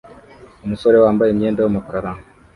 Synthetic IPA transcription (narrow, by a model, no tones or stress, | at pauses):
omusoɾewaːmbajemjeːndawomakuɾaɾaŋ